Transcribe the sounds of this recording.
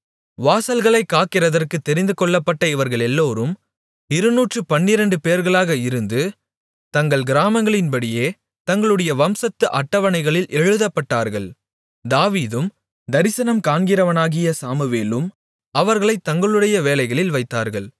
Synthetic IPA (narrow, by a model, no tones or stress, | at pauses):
ʋaːsɐlɣɐɭɐɪkːaːkɪɾɐðɐrkɯt̪ːɛɾɪnd̪ɯkɔɭːɐpːɐʈːɐɪʋɐɾɣɐɭɛlːoːɾɯm | ɪɾɯnuːʈrɯpɐnːɪɾɐɳɖɯpeːɾɣɐɭaːɣɐɪɾɯnd̪ɯ | t̪ɐŋɡɐɭɡɪɾaːmɐŋɡɐɭɪnbɐɽɪjeː | t̪ɐŋɡɐɭɯɽɐjɐʋɐmsɐt̪ːɯʔɐʈːɐʋɐnɐɪɣɐɭɪlʔɛɻɯðɐpːɐʈːaːɾɣɐɭ | d̪aːʋiːðɯm | d̪ɐɾɪsɐnɐmkaːnɡɪɾɐʋɐnaːɣɪjɐsaːmɯʋeːlɯm | ɐʋɐɾɣɐɭɐɪt̪ːɐŋɡɐɭɯɽɐjɐʋeːlɐɪɣɐɭɪlʋɐɪt̪ːaːɾɣɐɭ